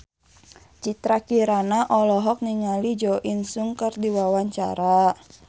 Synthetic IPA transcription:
t͡ʃit̪ɾakiɾanaʔɔlɔɦɔk̚niŋalid͡ʒɔʔinsuŋkərdiwawaɲt͡ʃa̰ɾa

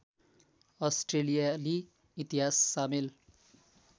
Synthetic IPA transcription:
ʌsʈrelijaliː | t̪iɦasːamil

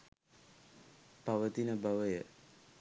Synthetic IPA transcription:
paʋət̪inəbaʋəjə

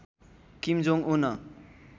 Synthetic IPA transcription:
kimd͡zoŋʔunʌ

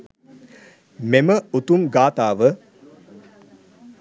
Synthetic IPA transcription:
meməut̪umɡaːt̪aːʋə

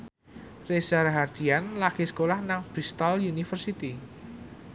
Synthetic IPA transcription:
resarɦard̪̥ianlakesə̥kolahnaŋb̥ɾist̪aljunifərsit̪i

